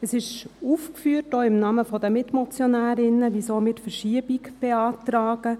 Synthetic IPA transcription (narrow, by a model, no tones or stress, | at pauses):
əsɪʃuːfkfyːətoːɪmnɑːməfɔdəmɪtmɔt͡sjɔnæːɾɪnəʋisoːmɪtfəɾʃiəbikb̥eɑːtɾɑːɡ̥ə